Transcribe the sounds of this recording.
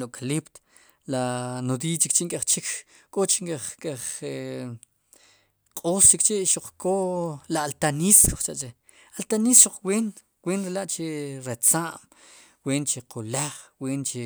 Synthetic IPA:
loʔkalipt̪ | lanod̪it͡ʃikt͡ʃiʔŋkʼaχt͡ʃik | kʼot͡ʃiŋkʼaχkʼeχe | qʼost͡ʃikt͡ʃiʔʃuq͡χkolaalt̪anisko̥χt͡ʃa̰ʔt͡ʃe | alt̪anisʃuq͡χwen | weːnɾelaʔt͡ʃeɾet͡saʔm | weːnt͡ʃeqʰolaχwiːnt͡ʃe

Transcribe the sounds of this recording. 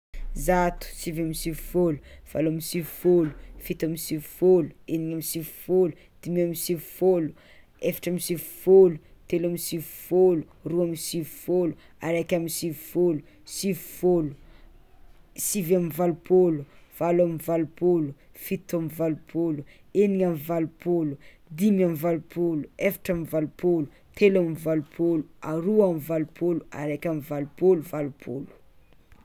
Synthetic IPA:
zat̪u̥sivamisivi̥foluv̥alamisivi̥folu̥fit̪amisivifolueniŋamisivi̥folu | d̪̥imiamisivi̥folu | efḁʈ͡ʂamisivi̥folut̪elamisivifolu | ruamisivifolu | aɾakʲamisivifolu | sivi̥folu̥ | sivamivalupoluv̥alamivalupolu | fit̪amivalupʰolu | eniŋamvalupʰolu | d̪imamivalupoluefḁʈ͡ʂamivalupʰolu | t̪ʰelamivalupʰoluaɾuamivalupʰolua̰ɾakʲamivalupoluvalupʰo̰lu̥

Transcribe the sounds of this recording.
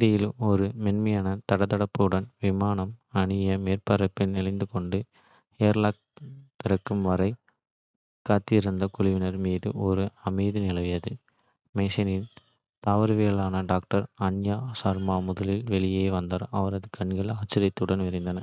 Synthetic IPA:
ðɐjɪlmɔɾɯmɛnmɐjaːnɐt̪ɐɽɐt̪ːɐɽɐpːɯɯɽɐnʋɪmaːnɐmɐɳɪjɐmeːrpɐɾɐpːɪnɪlɐɪnd̪ɯkɔɳɖɯ | eːɾlaːk̚t̪ɪɾɐkːɯmʋɐɾɐɪ | kaːt̪ːɪɪɾɯnd̪ɐkʊɭɪʋɪnɐɾmiːðɯɔɾɯɐmɐɪðinɪlɐʋɪjɐðɯ | mɛsɪnɪn | t̪aːʋɐɾɯʋeːlaːnɐɖaːk̚ʈɐɾɐnjaːsaɾmaːmʊðɐlɪlʋɛɭɪjeːʋɐnd̪aːɾɐʋɐɾɐðɯkɐɳɡɐɭaːt͡ʃːɪɾɐɪt̪ːɯɽɐnʋɪɾɪnd̪ɐnɐ

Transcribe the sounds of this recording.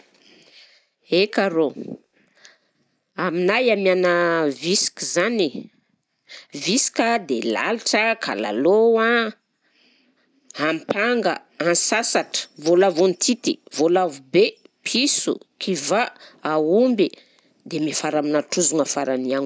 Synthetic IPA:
ekaɾo | aminajamianəvisi̥kʲizani | visi̥kʲəd̪ela̰liʈ͡ʂəkʰa̰la̰lowa | ampaŋɡə | ansasaʈ͡ʂə̥volavunt̪ʰit̪ḭvolavubepʰisṵkʰivaaumbi | d̪emifaɾaminaʈ͡ʂuzuŋafaɾaniaŋu

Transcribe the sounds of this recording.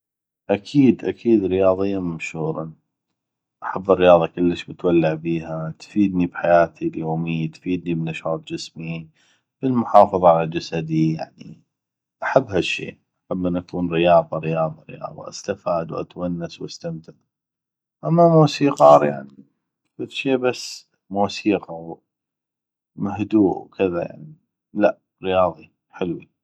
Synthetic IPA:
ʔakʰiːd̪ʔakʰiːd̪ɾɪjɑːðˤɪjːamamʃuːɾˤɑ̰n | ʔaħabːərːɪjɑːðˤɑkɪlːəʃmɪt̪walːaʕbiːhat̪fiːd̪nibħajaːt̪ʰiljoːmijt̪fiːd̪̚nimɪnaʃhɑːt̪ˤd͡ʒɪsmi | b̥əlmʊħɑːfɑðˤɑʕalad͡ʒasad̪ija̰ʕni | ʔaħabːhaʃːḛːʔaħabːʔənʔakuːnɾɪjɑːðˤɑɾɪjɑːðˤɑɾɪ̰jɑ̰ːðˤɑ̰ʔa̰st̪afaːd̪wʔa̰t̪wanːaswʔast̪amt̪ɪt | ʔamːamuːsiːqɑːɾˤja̰ʕni | fɪðʃeːbasː | muːsiːqɑw | mahd̪uːʔwkɪðaja̰ʕni | laʔ | ɾɪjɑːðˤi | ħɪlwi

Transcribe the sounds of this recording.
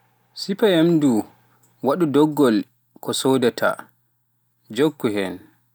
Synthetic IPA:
sipaemdu | waɗudɔɡːɔl | kʰɔsoːdɛtʰa̰ | d͡ʒokːuɦɛn

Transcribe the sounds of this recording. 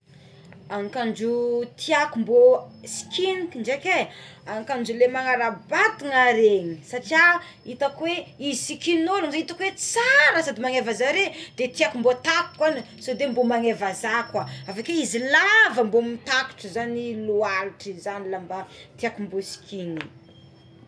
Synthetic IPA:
aŋikand͡ʒut̪ʰiakumbosi̥kʰinikiɳɖ͡ʐekeaŋkand͡ʒulemaŋaɾabat̪iŋaɾeŋisaʈ͡ʂia | it̪akweizisikininolumzaɲit̪akwet͡saɾəsad̪imaŋevazaɾed̪̥et̪iakumbot̪aki̥kwani | sod̪embomaŋevazakwaavakeizilavəmbomit̪aku̥ʈ͡ʂəzanilualʈ͡ʂizanilambat̪iakumbosi̥kʲʰini

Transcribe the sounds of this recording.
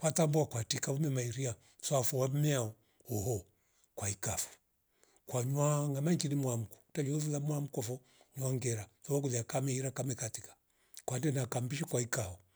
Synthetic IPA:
kwatambuakwatikaumɛmaiɾia | safɔwam̩mɛaɔ | ɔɦɔ | kwaikafu̥ | kwaɲwaŋamaɲd͡ʒinimwam̩kɔ̥talɔzulamwam̩kɔfɔ | ɲwaŋɡɛɾasɔɔkulakamɛiɾakamɛkatikḁ | kwandɛnakambiʃikwaikaɔ

